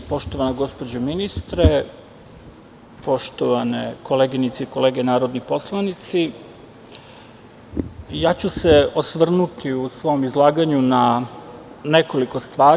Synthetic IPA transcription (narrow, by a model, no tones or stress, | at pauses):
po̞ʃt̪o̞ʋanoɡo̞spod͡ʑominist̪ɾe | po̞ʃt̪oʋanekʰo̞leːɡinit̪seiko̞le̞ːɡenaːɾod̪nipo̞slˠanit̪si | jaːt͡ɕuseosʋr̩nut̪iusʋo̞mizlˠaːɡaɲuna | neko̞liko̞st̪ʋaː